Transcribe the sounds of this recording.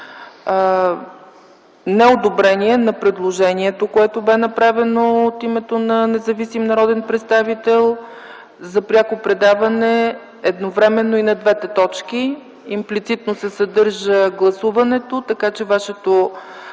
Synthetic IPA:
nɛod̪obɾɛniɛnɐpɾɛd̪lˠoʒɛniɛt̪okoɛt̪obɛnɐpɾavɛnoot̪imɛt̪onɐnɛzɐvisimnɐɾɔd̪ɛnpɾɛt̪st̪avit̪ɛlˠ | zɐpɾʲjakopɾɛd̪avɐnɛ | ɛd̪novɾɛmɛnːoinɐd̪vɛt̪ɛt̪ɔt͡ʃk̟i | implit̪sit̪nosɛsɐd̪ɤɾʒəɡlˠɐsuvɐnɛt̪ot̪ɐkat͡ʃɛvaʃɛt̪o

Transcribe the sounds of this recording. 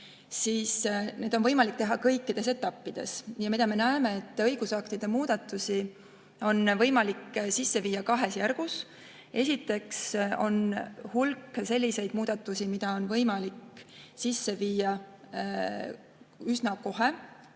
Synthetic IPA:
siːsne̞ːd̪onvɤjmɑlik̚t̪e̞ɦɑkɤjkːid̪̥e̞s̬e̞t̪ːˑɑpːid̪̥e̞̰sjɑmid̪ɑme̞næeme̞et̪ːˑɤjɡ̥usɑkt̪id̪̥e̞muːd̪̥ɑt̪ːˑusi | o̞nvɤ̞jmɑliksisːe̞viːɑkɑɦe̞sjærɡ̥us | e̞sʲit̪ːˑe̞kso̞̰nhulkːˑse̞lʲːise̞jd̪̥̚muːd̪̥ɑt̪ːˑusimid̪̥ɑo̞nvɤjmɑliksisːe̞viːjɑ | ysnɑko̞ɦe

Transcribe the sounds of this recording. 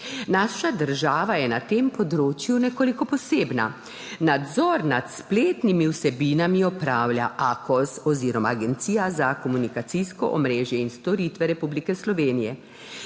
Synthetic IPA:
naːʃad̪əɾʒaːʋajɛnat̪empɔd̪ɾoːt͡ʃjunɛkoːlikɔpɔseːbna̰ | nad̪zɔɾnat̪spleːt̪nimiwsɛbiːnamiɔpɾaːwlʲjaʔakɔsɔziːɾɔmaːɡɛnt̪sijazakɔmunikat̪siskɔʔɔmɾeːʒjɛinst̪ɔɾit̪ʋɛɾɛpublikɛslɔʋeːnijɛ

